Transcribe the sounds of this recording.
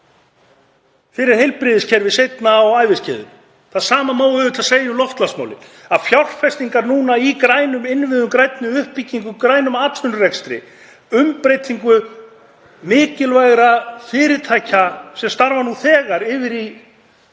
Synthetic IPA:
fɪːɾɪɾ̥hejlpɾɪːðɪscʰɛɾvɪsejt̪naɔɣaːjvɪscɛ̰ːðʏ̰ | θaðsaːmamaːwɣʏðʏt̪ʰaseːjaɔlɔft̪lasma̰wlɪ̰ | aðfjawr̥fɛst̪iŋkaɾnuːnaikɾaːjnʏmɪnvɪðʏmkɾajt̪nʏʏhpːicːiŋkʏkɾaːjnʏmaːt̪sʏnrɛkst̪ɾɪ̰ | ʏmpɾejt̪ʰiŋkʏ | mɪːcɪlvajɣɾafɪːɾɪt̪ʰaːjcasɛmst̪aɾvanuθɛːɣaɾɪːvɪɾi

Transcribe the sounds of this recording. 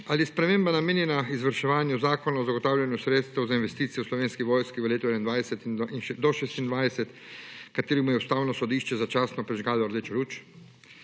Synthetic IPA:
aliɛspɾɛmeːmbanameːnjɛnaizʋəɾʃɛʋaːnjuzaːkɔnaɔzaɡɔt̪aːwlʲjanjusɾeːt̪st̪ɛwzainʋɛst̪iːt̪sijɛwslɔʋeːnskiʋɔːjskiʋəleːt̪uɛnaind̪ʋajsɛt̪iinʃd̪ɔʃeːst̪ind̪ʋajsɛt̪ | kat̪eːɾimujɛust̪aːwnɔsɔd̪iːʃt͡ʃɛzat͡ʃaːsnɔpɾɛʒɡaːlɔɾd̪et͡ʃɾuːt͡ʃ

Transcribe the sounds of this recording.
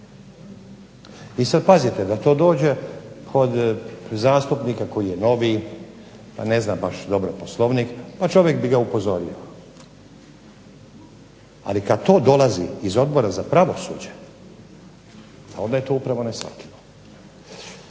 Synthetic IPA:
isad̪̚pazit̪ed̪at̪o̞ːd̪o̞ːd͡ʑe̞kʰo̞d̪zaːst̪upnikako̞jijeno̞ʋi | pa̰ne̞znabaʃd̪o̞bɾoposlˠoʋniːkpat͡ʃo̞ʋjekbiɡaupo̞zo̞ɾḭo | a̰likad̪̚t̪o̞ːd̪o̞lazḭizo̞d̪bo̞ɾazapɾaʋo̞sṵːd͡ʑe | ao̞nd̪aje̞t̪o̞ːupɾaʋo̞nesʋa̰t̪lilo

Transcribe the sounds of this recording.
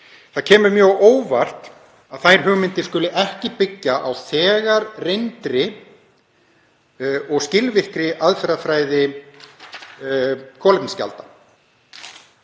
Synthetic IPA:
θaðcʰɛːmʏɾmjœːɣoːwvar̥t̪ | aðθajɾ̥ɦʏːɣmɪnt̪ɪskʏlʏʔɛhcɪpɪcːaʔawθɛːɣaɾrejnt̪ɾɪ | ɔɣscɪlvɪhkɾɪʔaðfɛɾafɾaːjðɪ | kʰɔːlɪpnsca̰lt̪a

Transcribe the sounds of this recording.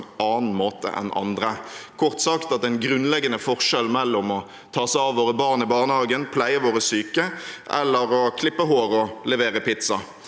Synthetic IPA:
ɑːnn̩moːt̪ə̰ʔɛ̰nɑ̰nd̪ʁəkʰɔʁt̪sɑkt̪ɑt̪ɛɪnɡɾʉnlɛɡənəfɔʁʂɛlmɛlːɔmɔ | t̪ʰɑːsæɑːʋʋoːʁəbɑːʁnɪbɑːʁnəhɑːɡənpʰlæɪəʋoːʁəsyːkəʔɛ̰lːəɾɔkʰlɪpːəɦoːʁɔlɛʋeːʁəpɪt̪sɑ

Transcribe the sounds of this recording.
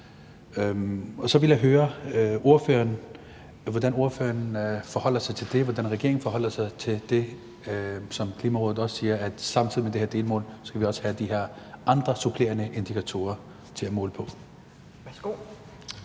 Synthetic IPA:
ɒ̽sɒ̽ʋe̝ljaɦøːɐo̝ɐfø̰ːɐn | ʋɒd̥æno̝ɐfø̰ːɐnfɒ̽hɒ̽l̰ɐsɑ̈ɪt͡sʰe̝ld̥e̝ʋɒd̥ænʁɛɡ̥e̝ɐ̰ɪŋn̩fɒ̽ɦɒ̽l̰ɐsɑ̈ɪt͡sʰe̝ld̥e̝ | sɒ̽mkʰliːmæʁɔð̩ˠɒ̽ssiːɐæd̥sɑ̈mt͡sʰið̰ˠimed̥eheɐd̥e̝ːlmɔ̰̽ːlsɡ̥æʋiɒ̽sə̥hæd̥iɦeɐ̰ʔɑ̈nd̥ʁɐsupʰle̝ɐnəʔe̝nd̥ikʰæt͡sʰo̝̰ːɐ | t͡sʰe̝læmɔ̽ːləpʰɒ̽ | sɡ̥o

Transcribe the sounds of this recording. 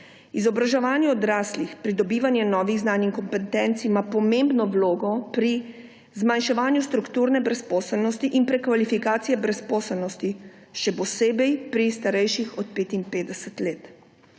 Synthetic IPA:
izɔbɾaʒɛʋaːnjɛɔd̪ɾaːslixpɾid̪ɔbiːʋanjɛnɔːʋiɣznaːniŋkɔmpɛt̪ɛnt̪simapɔmembnɔwloːɡɔpɾi | zmanʃɛʋaːnjust̪ɾukt̪uːɾnɛbɾɛspɔːsɛlnɔst̪iʔinpɾɛkʋalifikaːt̪sijɛbɾɛspɔːsɛlnɔst̪i | ʃɛpɔseːbɛjpɾist̪aɾɛjʃixɔt̪̚peːt̪inpeːd̪ɛsɛt̪leːt̪

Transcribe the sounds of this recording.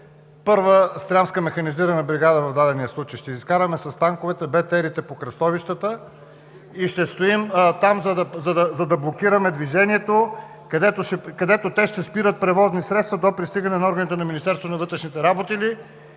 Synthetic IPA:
pɤɾvəst̪ɾamskəmɛxɐniziɾənɐbɾiɡad̪əvɐvd̪ad̪ɛniəslˠut͡ʃəjʃt̪ɛiskaɾəmɛsɐst̪aŋkovɛt̪ɛbɛt̪ɛɾit̪ɛpokɾɐst̪ɔviʃt̪ət̪ə | iʃt̪ɛst̪oimt̪amzɐd̪ɐzɐd̪ɐzɐd̪ɐblˠokiɾəmɛd̪viʒɛniɛt̪o | kɐd̪ɛt̪oʃɛkɐd̪ɛt̪ot̪ɛʃt̪ɛspiɾət̪̚pɾɛvɔznisɾɛt̪st̪vɐd̪opɾist̪iɡɐnɛnɐɔɾɡənit̪ɛnɐminist̪ɛɾst̪vonɐvɤt̪ɾɛʃnit̪ɛɾabot̪ili

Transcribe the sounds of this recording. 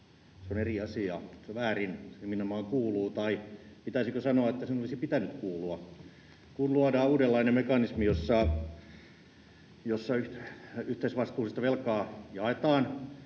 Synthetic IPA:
seoneriɑsiɑ̰seʋæːrinsiminɑmɑːŋkuːluːt̪ɑipit̪æisikøsɑnoɑet̪ːæsenolisipit̪ænyt̪kuːluɑ | kunluɑdɑːuːdelːɑinemekɑnismijosːɑ | josːɑyyht̪eisʋɑst̪uːsist̪ɑʋelkɑːjɑet̪ɑːn

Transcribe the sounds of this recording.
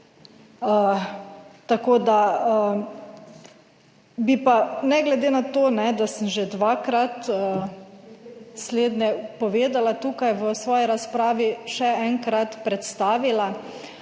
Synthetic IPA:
ə | t̪akoːd̪aə | bipanɛɡlɛd̪eːnat̪oːnɛd̪asəmʒed̪ʋaːkɾat̪ə | sleːd̪nɛpɔʋeːd̪alat̪uːkajʋəsʋɔːjiɾaspɾaːʋiʃɛɛŋkɾat̪pɾɛt̪st̪aːʋila

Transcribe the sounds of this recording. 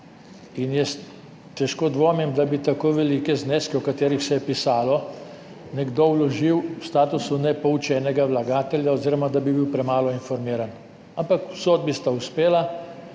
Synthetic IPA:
injɛs | t̪ːɛʃkoːd̪ʋoːmimd̪abit̪akoːʋɛlikɛzneːskɛɔkat̪eːɾixsɛjɛpisaːlɔ | nɛɡd̪owlɔʒiwwst̪aːt̪usunɛpɔwt͡ʃɛːnɛɡawlaɡaːt̪ɛljaɔziːɾɔmad̪abibiwpɾɛmaːlɔinfɔɾmiːɾan | ampakwsoːd̪̚bist̪auspeːla

